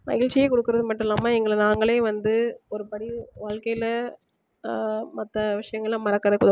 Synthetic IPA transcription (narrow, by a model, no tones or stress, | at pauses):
mɐ̰ɣɪlt͡ʃɪjeːkɔɽɯkːɯɾɐðɯmɐʈːɯmɛlːaːmaːɛŋɡɐɭɐnaːŋɡɐɭeːʋɐnd̪ɯɔɾɯpɐɽiʋaːɻkɐjɪlɐ | mɐt̪ːɐʋɪʂɐjɐŋɡɐɭmɐɾɐkːɯɾɐðɯkʊðɐ